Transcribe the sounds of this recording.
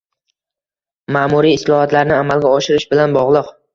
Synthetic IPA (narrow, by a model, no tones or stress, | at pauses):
maːmʊɾiːslˠɒhɒt̪laɾnɪamalɡʲaɒʃɪɾɪʃbɪlanbɒʁlˠɨq